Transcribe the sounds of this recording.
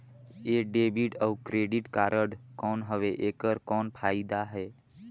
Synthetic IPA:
eːɖeːbiʈəukɾeːɖiʈkaːɾʔəɽkɔːnɦəʋeʔeːkəɾkɔːnpʰaːid̪aɦɛː

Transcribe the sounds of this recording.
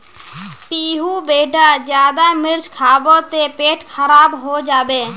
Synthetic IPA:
piːɦuːbeːɖʱaːd͡ʒjaːd̪aːmɪɾt͡ʃkʰaːboːt̪eːpeːʈkʰəɾaːbɦoːd͡ʒaːɓeː

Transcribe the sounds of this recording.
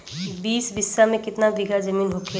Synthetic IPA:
biːsbɪsːamẽkɪt̪nabiɡʱad͡ʒɐmiːnɦokʰe

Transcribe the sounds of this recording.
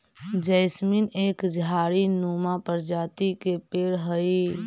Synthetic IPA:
d͡ʒəɪsminekd͡ʒʱaɾinomapəɾd͡ʒaːt̪ikepeːɽɦəi

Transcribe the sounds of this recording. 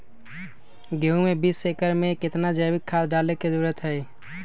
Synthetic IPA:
ɡeɦũmebisːekəɾmẽkɪt̪nad͡ʒəbɪkʰːaːd̪ɖaːlekeduɾət̪ɦɛː

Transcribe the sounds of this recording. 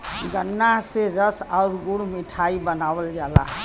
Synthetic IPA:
ɡənːaseɾəsaʊɾɡuɽmiʈʰaibənawəld͡ʒala̰

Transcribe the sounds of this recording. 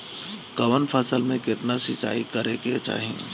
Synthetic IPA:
kɐʋənpʰəsəlmẽkɪt̪nasɪt͡ʃa̰ːikɐɾeket͡ʃa̰ːɦĩ

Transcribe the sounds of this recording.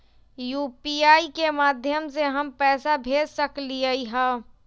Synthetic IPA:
juːpiːaːikemaːd̪ʱjəmseɦɐmpɛːsabʱeːd͡ʒsəkliaiɦɛː

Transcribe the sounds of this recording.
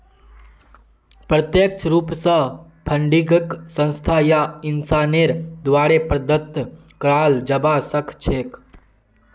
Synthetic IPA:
pɾət̪jək̚t͡ʃʰɾuːpsə | pʰəɳɖiɡəksə̃nst̪ʰajaɪnsaːneɾd̪waːɾepɾəd̪ʱət̪ | kɾaːld͡ʒɐbasəkʰt͡ʃʰeːk

